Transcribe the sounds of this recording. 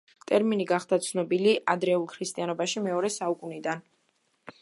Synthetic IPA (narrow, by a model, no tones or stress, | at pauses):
t̪ʼɛɾminiɡaχd̪at̪sʰnɔbiliʔad̪ɾɛulˠkʰɾist̪ʼianɔbaʃimɛɔɾɛsaukʼunid̪an